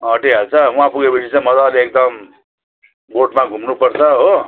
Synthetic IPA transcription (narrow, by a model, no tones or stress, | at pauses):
ʌʈikɦalt͡sʰʌũãpuɡepʌt͡sʰit͡sãĩmʌd͡zaːliek̚d̪ʌm | boʈmaɡʱumnupʌrt͡sʰʌɦo